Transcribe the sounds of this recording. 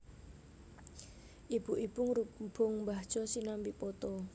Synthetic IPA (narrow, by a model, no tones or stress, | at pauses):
ʔib̥uʔib̥ʊŋrub̥ʊŋmbahʒ̥ɔsinambiʔpɔt̪ɔ